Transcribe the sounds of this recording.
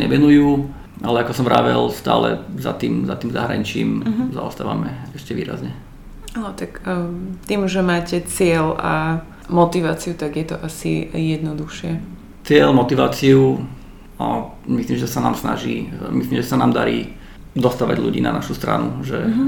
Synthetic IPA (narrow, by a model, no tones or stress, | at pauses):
ɲɛʋɛnujuː | alɛakɔsɔmɾaːʋɛlst̪a̰ːlɛ̰za̰t̪iːmzat̪iːmzaɦɾaɲit͡ʃiːmza̰ɔst̪aːʋa̰mɛɛʃcɛʋiːɾa̰zɲɛ | anɔt̪akt̪iːmʒɛmaːcɛt͡sɪɛla̰ | mɔt̪iʋaːt͡siut̪aɡjɛt̪ɔʔasḭjɛd̪nɔd̪uxʃɪɛ | t͡sɪɛlmɔt̪iʋaːt͡siu | amisliːmʒɛsanaːmsnaʒiːmisliːmʒɛsanaːmd̪aɾiː | d̪ɔst̪aːʋaɟʎṵɟiːna̰naʃust̪ɾa̰nṵʒɛ